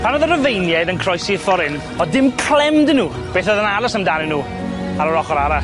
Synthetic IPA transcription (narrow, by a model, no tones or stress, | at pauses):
pʰanoðəɾəvejnjaðənkʰr̥ɔjsɪfɔɾɪn | ɔdɪmkʰl̥ɛmdənuː | b̥eːθəðənaɾəsəmdanɪnuː | aɾəɾɔχɔɾaɾas